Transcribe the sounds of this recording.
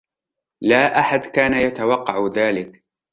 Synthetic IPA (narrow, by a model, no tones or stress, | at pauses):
laːʔaħad̪kaːnajat̪awɑqːɑʕðaːlɪk